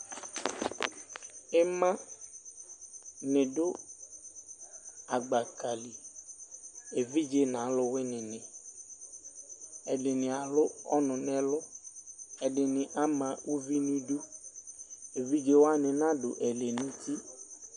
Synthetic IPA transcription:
e˦mã˦ | nɪ̃˨ɖʊ˦ | a˨ɡ͡ba˨ka˨li˨ | e˨vi˦d͡ʒe˦nã˨˦lʊ˦we˦nɪ̃˨nɪ̃˨ | ɛ˨ɖɪ˨nɪ̃˨a˨lʊ˦ɔ̰˦nʊ̃˨nɛ˦lʊ˦ | ɛ˨ɖɪ˨nɪ̃˨ʔa˦mã˨wu˦vi˦nĩ˦ɖu˦ | e˨vi˦d͡ʒe˦wo˦a˦nɪ̃˨nã˦ɖʊ˨ʔɛ˨le˨nĩ˦ti˦

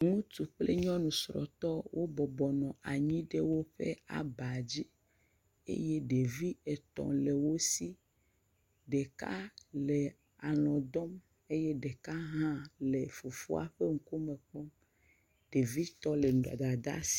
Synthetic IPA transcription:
ŋũ˦t̪u˨k͡ple˦ɲɔ̃˦nũ˨sɾɔ̰˨t̪ɔ˦wʔo˦bɔ˨bɔ˨nɔ̃˨ʔa˨ɲĩ˦ɖe˦wo˦ɸḛ˦a̰˨ba˨d͡ʑi˦ | ḛ˦je˦ɖe˨vi˦e˨t̪ɔ̰̃˨le˨wo˦si˦ | ɖe˨ka̰˦le˨ | a˨lɔ̃˨d̪ɔ˦m | e˦jɛ˦ɖe˨ka˦ɦã˦le˨fo˨fo̰˦a̰˨ɸe˦ŋ̩̃˦˨ko˦me˨k͡pɔ˦m | ɖ̥e˨vi˦t̪ɔ˦le˨ɖa̰˨d̪a˨d̪a̰˦si̥˦

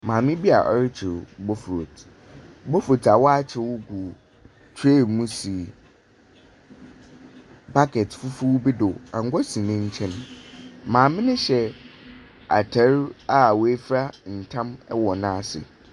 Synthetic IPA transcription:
mãː˨mɪ̃˦bi˦a̰˨ʔɔ̰˦ɾɪ˦t͡ɕʰɪ˨ɾbo˦fɾo˨tʰ | bo˦fɾo˨tʰa˨wɔ˦a˦t͡ɕʰɪ˨wʊ˦ɡu˨ | tʰe˦˨mũ˦si˨ | ba˦kʰɛ˨tfʊ˦fu˦bi˦dʊ˨ã˨ŋ˦ɡʷɔ˦sĩ˨nɪ̃˦ɲ̩˦t͡ɕʰɛ̃˦ñ˨mãː˨mɪ̃˦nɪ̃˦ɕɛ˨ | a̰˨tʰɛ˦ɾa˦˨we˦fɾa˦n̩˨tʰã˦mɛ˦wɔ˨nã˦sɪ̰˨

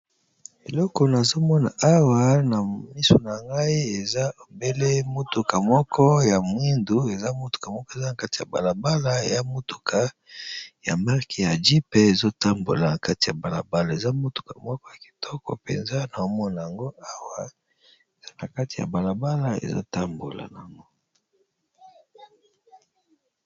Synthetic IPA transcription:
e˨lɔ˦kɔ˨na˨zo˦mɔ˦na̰˨ʔa˦wa˨na˨mi˦so˨na˨ŋɡa˦i˦e˨za˦o˨be˦le˦mo˦tu˨ka˨mɔ˦kʰɔ˦ja˨mwi˦ndu˨e˨za˦mo˦tu̥˨ka˨mɔ˦kɔ˦e˨za˦na˨ka˦ti˨ja̰˨ba̰˨la˨ba˦la˦e˨za˦mo˦tu̥˨kʰa˦ | ja˨ma˦ʁke˨ja˨d͡ʒi˦pe˦e˨zo˦ta˦mbo̰˨la˨na˨ka˦ti˨ja˨ba˨la˨ba˦la˨e˨za˦mo˦tu̥˨ka̰˨mɔ˦kɔ˦ja˨ki̥˨tʰɔ˦kɔ̰˨pḛ˨nza˦na˨o˦mɔ˦na˨ja˨ŋɡo˦a˦wa˨ | e˨z̥a˦na˨ka˦ti˨ja̰˨ba˨la˨ba˦la˨ḛ˨zo̰˦ta˦mbo̰˨la̰˨na˨ŋɡo˦

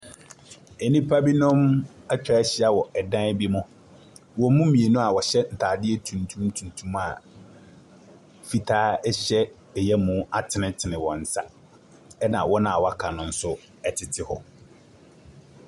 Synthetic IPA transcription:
ɛ˨nĩ˦pʰa˦bi˦nʊ̃˦ma˦t͡ɕᶣɛ˦ɛ˦ɕɪ˦a˨wɔ˨ʔɛ˨dã˦bi˦mʊ̃˦ | wɔ˨mũ˦mĩ˨e˨nʊ̃˦a˨wɔ˨ɕɛ˦n̩˨tʰaː˨dɪ˦ɛ˦tʰũ˨ntʰũ˦m˦tʰũ˨n˨tʰũ˦ma˨ | fi˨tʰaː˦ɛ˦ɕɛ˦ | ɛ˨jɛ˦mũ˦a˦˨tʰɪ˨nɪ̃˦tʰɪ˨nɪ̃˨wɔ̃˨n̩˨sa˦ | ɛ˦nã̰˨wɔ˦nã˨a˨wɔ˦a˦kʰa˨nʊ̃˨n̩˦sʊ˦ | ɛ˨tʰɪ˨tʰɪ˦hɔ̰˨

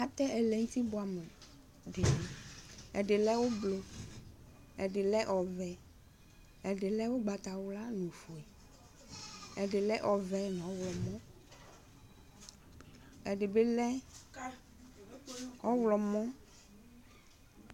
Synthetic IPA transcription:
a˨t̪ɛ˦ɛ˨lɛ˨ŋ̩˦t̪i˦bʊ˨a˨me˨ | dɪ˨nɛ˨ɛ̰˨dɪ˨lɛ˦wo˦blo˨ | ɛ˨dɪ˨lɛ˦ʔɔ˨vɛ˨ | ɛ˨dɪ˨lɛ˦wo˦ɡ͡ba˨t̪a˨wʊ˦la˦nũ˨fu˨ɛ˨ | ɛ˨dɪ˨lɛ˦ʔɔ˨vɛ˦n˨ɔ˦wlɔ˨mɔ̃˦ | ɛ˨dɪ˨be˦lɛ˦ | ɔ˦wlɔ˨mɔ̃˦

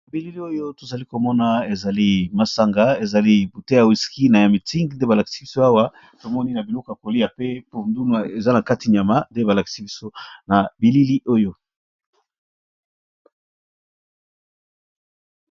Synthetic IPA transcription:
nna˨bi˨li˦li˦o˦jo˦to˨za˨li˦ko˨mɔ˦na˨e˨za˨li˦ma˨sa˦ŋɡa˦e˨za˨li˦bu˨te˦ja˨wi˨ski˦na˨ja˨mi˨ti˦ŋɡnde˦ba˨la˨ki̥˨si˦bi˦so˦a˦wa˦ | to˨mɔ˦ni˦na˨bi˨lɔ˦ko˨ja˨ko˨li˦ja˨pe˦po˨ndu˦n˨a˨e˨za˦na˨ka˦ti˨ɲ˨a˨ma˦nde˦ba˨la˨ki̥˨si˦bi˦so˦na˨bi˨li˦li˦ʔo˦jo˦

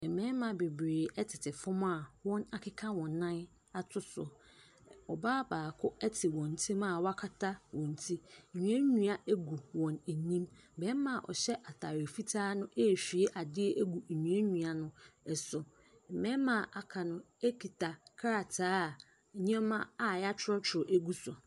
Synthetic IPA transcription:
ɛ˨mɛ̃˦mã˨be˨bɾeː˨ɛ˦tʰɪ˨tʰɪ˨fʊ̃˦m˦a˦˨wɔ̃˦na˦˨kʰɪ˦kʰã˦wɔ̃˨nː˦ã˦ | a˨tʰʊ˦sʊ̰˨ | ɔ˨baː˦baː˨kʰʊ˦ɛ˦tʰɪ˨wɔ̃˨n˨tʰĩ˦ma˦˨wa˦kʰa˦tʰa˦wɔ̃˨n˨tʰi˦˨ɲũ˨ɛ˦ɲũ˨˦a˨ʔæ˦ɡu˨wɔ̃˨ne˨nĩ˦m˨bɛ˦m˦mã˨ʔɔ̰˨ɕɛ˦ʔa˨tʰa˨ɾe˨fi˦tʰaː˦nʊ̃˦ʔe˦˨ɕᶣi˨e˦ʔa˨dɪ˦ɛ˦ʔæ˦ɡu˨ɲũ˨æ˦ɲũ˨a˨nʊ̃˦ɛ˨sʊ˨ | mɛ̃˦mã˨ʔa˨kʰa˨nʊ̃˦ | e˦kʰi˨tʰa˨kʰa˦ɾa˨tʰaː˦˨ | ɲ˦ɛ̃˦mã˦a˨ja˦t͡ɕʰɪ˦ɾɔ˦t͡ɕʰʊ˨ʊ˨ʔæ˦ɡu˦sʊ˨

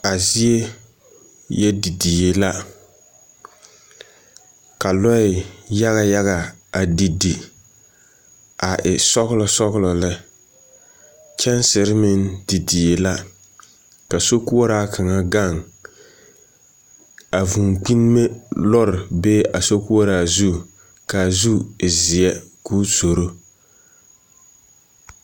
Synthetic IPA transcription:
a˨zi˦e˦ | jɛ˦di˨di˨e˨la˦ | ka˨lɔ˦ɪ˨ja˦ɣa˨ja˦ɣa˨a˨di˨di˨ | a˨ʔɪ˨sɔ˦ɣʊ˦lɔ˨sɔ˦ɣlɔ˨lɪ˦ | t͡ʃɛ˦n˦sɪ˨ɾɪ˦mɪ˦ndi˨di˨e˨la˦ | ka˨so˦ku˦ɔ˦ɾaː˦kʰa˨ŋa˦ɡa˦˨ŋ | a˨vu˨ŋk͡pi˦n˦me˦lɔ˦ɾɪ˨beː˦ʔa˨so˦ku˦ɔ˦ɾaː˦zu˦ | ka˨zu˦˨zɪ˨jɛ˦kuː˦to˨ɾo˦

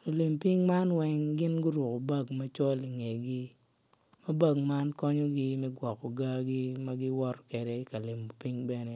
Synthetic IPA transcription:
o˨li˨mpi˦ŋma˦nwɛ˦ŋɡɪ˦nɡʊ˦ɾʊ˨ko˨ba˦ɡma˦t͡ʃɔ˦li˨ŋɛ˨ɡɪ˦ | mɐ˦ba˦˨ɡma˦nkɔ˦ɲɔ˦ɡɪ˦mɛ˦ɡwɔ˨ko˨ɡa˦ɡɪ˦ma˦ɡɪ˦wɔ˦ɾɔ˦kɛ˨dɛ˨˦ka˨lɪ˨mo˨pi˦ŋbɛ˦nɛ˨

